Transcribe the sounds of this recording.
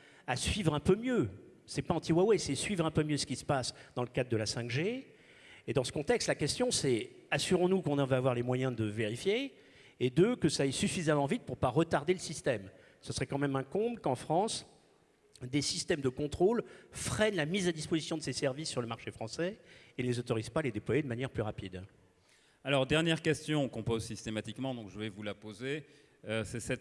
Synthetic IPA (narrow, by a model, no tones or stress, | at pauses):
asɥivʁɛ̃pømjø | sɛpaɑ̃t̪iwawɛsɛsɥivʁɛ̃pømjøsə̥kʲisə̥pasd̪ɑ̃ləkad̪̚d̪ːəlasɛ̃kʒeː | d̪ɑ̃sə̥kɔ̃t̪ɛkst̪lakʲɛst̪jɔ̃sɛ | asyʁɔ̃nukɔ̃nɑ̃vøavwaʁlemwajɛ̃d̪əveʁifjeː | d̪əkəsaːjsyfizamɑ̃vit̪̚puʁpaʁət̪aʁd̪eləsist̪ɛm | səsəʁɛkɑ̃mɛmɛ̃kɔ̃bləkɑ̃fχɑ̃s | d̪esist̪ɛmd̪əkɔ̃t̪χolfχɛnlamizad̪ispozisjɔ̃d̪əsesɛʁvisːyʁləmaʁʃefχɑ̃sɛenəlezot̪ɔʁizpaːled̪eplwajed̪əmanjɛʁplyʁapid̪ | alɔʁd̪ɛʁnjɛʁkʲɛst̪jɔ̃ɔ̃kɔ̃pozsist̪emat̪ikmɑ̃d̪ɔ̃kʒəvɛvulapoze | sɛsɛt̪